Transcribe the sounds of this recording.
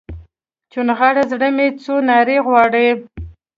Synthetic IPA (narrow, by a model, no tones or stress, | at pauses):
t͡ʃunɣaɽazɽəmet͡sonɑɾeɣwɑɽəj